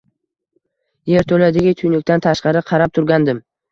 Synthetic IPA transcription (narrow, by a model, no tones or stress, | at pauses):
je̞ɾt̪ʰɵlad̪ɪɡʲɪt̪ʰʊjnɪkʲt̪ant̪ʰaʃqɑɾɪqʰɑɾap̚t̪ʰʊɾɡʲand̪ɪm